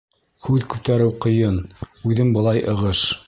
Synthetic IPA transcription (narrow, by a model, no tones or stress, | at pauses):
hʉðkʉp̚t̪æɾɘwqɤ̆jɤnʉðɘmbɤ̆lˠɑjʔɤ̆ʁɤʃ